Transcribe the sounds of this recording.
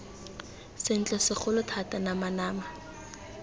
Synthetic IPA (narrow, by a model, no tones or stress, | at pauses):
sɪn̩t͡ɬʼɔsɪχʊlʊtʰatʼanamanaːma